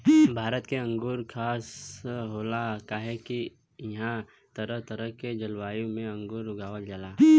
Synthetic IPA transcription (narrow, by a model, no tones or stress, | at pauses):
bʱaːɾət̪keɐ̃ŋɡʊɾkʰaːsɦoːlakaɦɛki | ɦã | t̪ɐɾəɦt̪ɐɾəked͡ʒɐlwaːjõmẽɐ̃ŋɡʊɾʊɡaːʋəld͡ʒalaː